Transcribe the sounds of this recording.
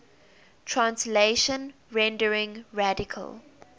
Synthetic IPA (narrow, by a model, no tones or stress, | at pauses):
tʰɹãnsleʃə̃n | ɹɛ̃ndəɹɪ̃ŋɹadɪkʰə̰lˠ